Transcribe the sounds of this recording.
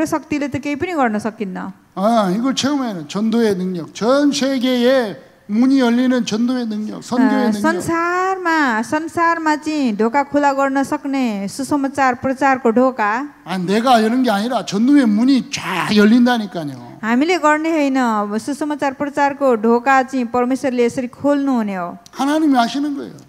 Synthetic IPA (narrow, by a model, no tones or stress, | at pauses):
ʌsʌk̚t̪ilet̪ʌkejpʌniɡʌrnʌsʌkːinːʌ̰ | ʌiɡʌɭt͡ɕʰeʌmʌnʌnt͡ɕʌnd̪oenɯŋɲʌk̚t͡ɕʌnsʰeɡee | muɲijʌlːinɯnt͡ɕʌnd̪oenɯŋɲʌk̚sʌnd̪oenɯŋsʌnsarmasʌnsarmat͡sʌĩɖʱokakʰulaɡʌrnʌsʌknesusʌmat͡sarprʌt͡sarkoɖʱoka | anineɡajʌɾʌnɡeaɲiɾat͡ɕʌnd̪oemuɲit͡ɕaɡjʌlːindaɲikaɲo̰ | ɦamileɡʌrneɦʌjnʌsusʌmat͡sarprʌt͡sarkoɖʱokat͡sʌĩpʌrmeswʌrleːsʌɾikʰolnuɦuneohanaɲimihaɕʰinɯnɡʌḛo